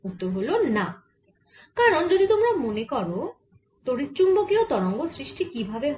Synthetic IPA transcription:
ut̪ːoɦolona | kaɾɔnd͡ʒod̪it̪omɾamonekɔɾo | t̪oɾit͡ʃumbokiot̪ɔɾɔŋɡosɾiʃʈikibʱabeɦ

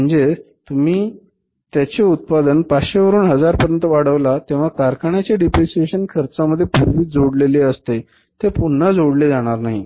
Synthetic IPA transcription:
əɳd͡ze | t̪um̤iː | t̪jat͡ɕeut̪̚pad̪ənpaɕeʋəɾuːnɦəd͡zaɾpəɾjənt̪əʋaɽ̤əʋlat̪ẽʋ̤akaɾkaɳjat͡ɕaɖipɾisieɕənkʰəɾt͡saməd̪ʱːjepuɾʋiːd͡zoɽleleəst̪e | t̪epunːəd͡zoɽled͡zaɽ̃aɾnaɦi

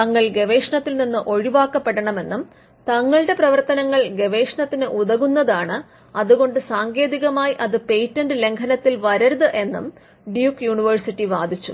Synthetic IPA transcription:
tt̪ɐŋːɐɭɡe̞ʋe̞ːʂɐɳɐt̪ːilninːɨʔo̞ɻiʋaːkːɐpːeɽɐɳɐme̞nːum | t̪ɐŋːɐɭɨɽe̞prɐʋɐrt̪ɐnɐŋːɐɭɡe̞ʋe̞ːʂɳɐt̪ːinɨʔuðɐɣunːɐðaːɳɨ | ɐðuɣo̞ɳɖɨsaːŋɡe̞ːðiɣɐmaːjiʔɐðɨpe̞jtːɐnɖɨle̞ŋkʰɐnɐt̪ːilʋɐɾɐɾuðɨʔe̞nːum | ɖjuːkjuːɳiʋɐrsitːiʋaːd̪ʱit͡ɕːṵ

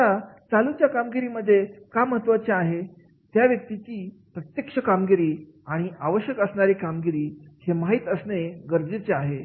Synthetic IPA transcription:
at͡salut͡ɕjakamɡiɾiːməd̪ʱːjekaməɦət̪ʋət͡ɕeaɦe | t̪jaʋjək̚t̪it͡ɕiː | pɾət̪jəkʂəkamɡiɾiː | aɽ̃iaʋəɕjəkəsɳaɾikamɡiɾiːhemaɦiːt̪əsneɡəɾd͡zət͡ɕeaɦe

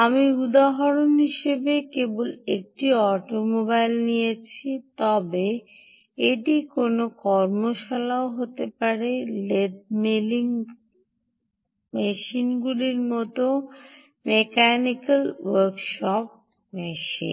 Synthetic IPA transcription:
amiud̪aɦoɾonɦiʃebekebolek̚ʈiɔʈomobajlnijet͡ɕʰit̪ɔbe | eʈikonokɔɾmoʃalaoɦot̪epaɾeled̪̚meliŋ | meʃinɡuliɾmɔt̪o | mekanikalwoɾkʃɔp̚ | meʃḭ

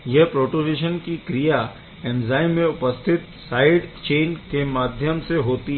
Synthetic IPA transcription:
jɛɦpɾoːʈoniːʃənkikɾija | ɛmzaːimẽʊpəst̪ʰɪt̪saːɪɖt͡ʃeːnkemaːd̪ʱjəmseɦoːt̪i

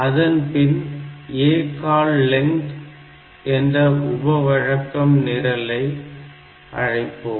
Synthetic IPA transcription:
ɐðɐnpɪneːkaːlːɛŋʈ | ɛndrɐʔʊbɐʋɐɻɐkːɐmnɪɾɐlɐɪ | ʔɐ̰ɻɐɪpːɯːm

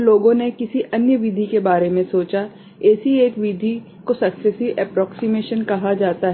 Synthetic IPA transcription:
loːɡõnekɪsiʔɐnjəʋɪd̪ʱikebaːɾemẽsoːt͡ʃa | ɛːsieːkʋid̪ʱi | kosɐksɛsiʋʔɛːpɾɔːksimeːʃənkɐɦad͡ʒaːt̪aɦ

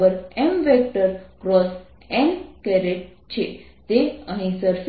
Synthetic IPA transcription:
ʋəɾemʋek̚ʈəɾkɾɔs | ɛ̃nkeɾeʈ̚ | t͡ɕet̪eəɦĩsəɾf

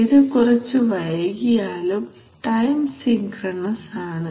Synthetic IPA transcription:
iɾekːurɐt͡ɕːuʋɐɻɐɣijaːlum | ʈɐjmsiŋkrɐɳɐsaːɳɨ

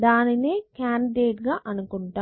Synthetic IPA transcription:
d̪aːnineːkaːnɖiɖeːʈɡaːʔɐnukuɳʈaː

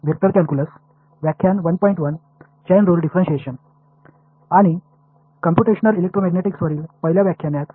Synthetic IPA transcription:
ʋʱjek̚t̪əɾk̪jankuləs | ʋjakʰːjanʋənpɔiɳʈʋən | t͡ɕajnɾulɖifɾə̃nɕeɕən | aɽ̃i | kəmpjuʈeɕənəlilek̚ʈɾomæɡneʈiksʋəɾiːlpəɦiljaʋjakʰjanjat̪

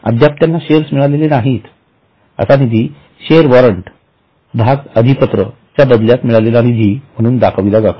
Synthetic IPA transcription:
ə̰d̪ʱjap̚t̪janːaɕeɾsmiɭalelenaɦiːt̪ | ə̰sanid̪ʱi | ɕeəɾʋɔɾəɳʈ | bʱaɡəd̪ʱipət̪ɾə̰ | t͡ɕjabəd̪ljat̪miɭalelaɽ̃id͡ʑiːm̤əɽ̃uːnd̪akʰəʋilad͡zat̪

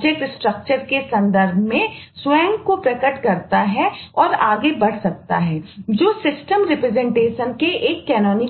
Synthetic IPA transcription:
d͡ʒek̚ʈsʈɾək̚t͡ʃəɾkesɐ̃nd̪əɾbʱmẽswɛ̃ːŋɡkopɾɐkəʈkɐɾt̪aɦɛɔːɾaːɡebɐɽ̤sɐk̚t̪a̰ɦɛːd͡ʒoːsɪsʈəmɾɪpɾɛzɛ̃ɳʈeːʃənkeʔeːkːɛːnɔːni

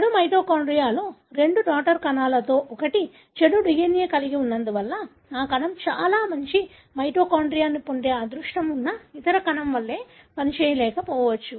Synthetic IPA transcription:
t͡ʃɽumɐjʈoːkaːɳɖɾijaːloːɾe̞ɳɖuɖaːk̚ʈɐɾkɐnaːlɐt̪o̞ːʔɔkɐʈi | t͡ʃeɽuɖijenjeːkɐliɡiunːɐnd̪uʋɐlːɐ | aːkɐnɐmt͡ʃaːlaːmɐɲt͡ʃi | mɐjʈoːkaːɳɖɾijaːnːipoɳɖeːaːd̪ɾuʂʈɐmunːɐit̪ɐɾɐkɐnɐmʋɐɭːe̞ː | pɐnit͡ʃɛːjɐlɛːkɐpɔːʋɐt͡ʃːu

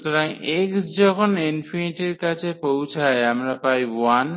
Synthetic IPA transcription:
t̪oɾajʔeksd͡ʑɔkʰonenfieʈeɾkat͡ɕʰepowt͡ɕʰaeamɾapajan

